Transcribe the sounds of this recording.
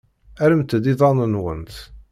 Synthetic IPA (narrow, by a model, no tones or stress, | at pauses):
æɾəmt̪d̪iðˤɑnənwə̰nt̪